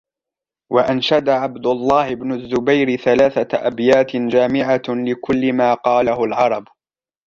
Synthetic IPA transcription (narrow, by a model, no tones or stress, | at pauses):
waʔanʃad̪aʕabd̪ʊlˤːɑːhɪbnʊzːʊbajɾɪθalaːθaʔabjaːt̪ɪd͡ʒaːmɪʕalɪkʊlːɪmaːqɑːlahʊlʕɑɾˤɑb